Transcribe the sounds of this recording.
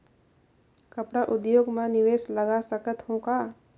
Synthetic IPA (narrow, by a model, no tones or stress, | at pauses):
kɐpɽaʔʊd̪joːɡmãnɪʋeːsləɡasəkət̪ɦõkaː